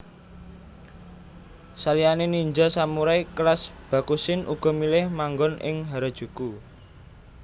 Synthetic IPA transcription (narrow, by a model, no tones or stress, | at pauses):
salijaneniɲd͡ʒasamuɾajklasb̥a̤kusɪnʔuɡ̥ɔ̤milɪhmaŋɡɔnɪ̰ŋɦaɾɔd̥ʒ̥ṳku